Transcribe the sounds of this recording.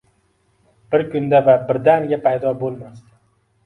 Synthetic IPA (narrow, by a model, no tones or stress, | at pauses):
b̥ɪɾkʰʊnd̪avabɪɾd̪aŋɡʲapʰajd̪ɒbolˠmast̪ɪ